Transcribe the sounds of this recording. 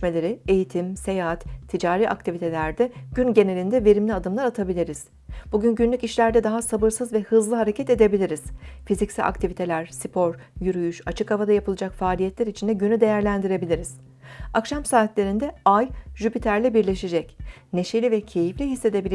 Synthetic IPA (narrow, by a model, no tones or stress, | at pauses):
ʃme̞lʲe̞ɾie̞jit̪ʰimse̞jaat̪t̪ʰːid͡ʒaːɾiːʔa̰kt̪ʰivit̪ʰe̞lʲæɾd̪ɛɟ̥ynɟe̞ne̞lʲind̪ɛve̞ɾimlʲiad̪ɯmlˠaɾat̪ʰabilʲiɾiz̥ | buɟynɟynlʲyciʃlʲæɾd̪ɛd̪aɦasabɯɾsɯzvɛhɯzlˠɯɦaɾecʰɛt̪e̞d̪e̞bilʲiɾiz̥fizicsḭʔa̰kt̪ʰivit̪ʰe̞lʲæɾsipʰo̞ɾ | jyɾyjyʃat͡ʃʰɯkavad̪ajapʰɯlˠɯd͡ʒakfaːlʲijɛt̪lʲæɾit͡ʃʰind̪ɛɟynyd̪e̞jæɾlʲænd̪iɾe̞bilʲiɾiz̥ | akʃamsaːt̪lʲe̞ɾind̪ɛajʒypit̪ʰæɾlʲɛbiɾlʲe̞ʃed͡ʒɛc | ne̞ʃelʲivɛcʰe̞jiflʲiɦisːe̞d̪e̞bilʲ